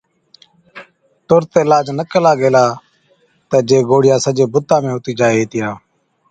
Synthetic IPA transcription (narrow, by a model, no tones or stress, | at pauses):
t̪ʊɾt̪eːlaːd͡ʒnəkəlaːɡeːlaː | t̪eːd͡ʒeːɡoːɽɪjaːsəd͡ʒeːbʊt̪ːãːmẽːʊt̪iːd͡ʒaːeɦeːt̪ɪjaː